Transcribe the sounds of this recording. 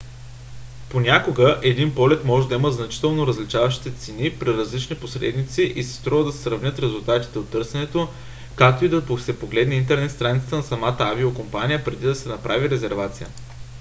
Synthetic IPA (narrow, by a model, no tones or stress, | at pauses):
ponʲakoɡəʔɛd̪inpɔlɛt̪mɔʒɛd̪ɐiməznɐt͡ʃi̥t̪ɛlˠnoɾəzlit͡ʃavɐʃt̪i̥t̪ɛt̪sɛnipɾiɾɐzlit͡ʃniposɾɛ̰d̪nit̪siʔisɛ̥st̪ɾɔvəd̪ɐsɛ̥sɾɐvnʲɤt̪ɾɛzulˠt̪at̪i̥t̪ɛot̪ːɤɾsɛnɛt̪o | kak̚t̪oid̪ɐposɛpoɡlɛd̪nɛint̪ɛɾnɛt̪st̪ɾanit̪ət̪ənɐsɐmat̪əaviokompanijəpɾɛd̪id̪ɐsɛnɐpɾʔaviɾɛzɛɾvat̪sijə̰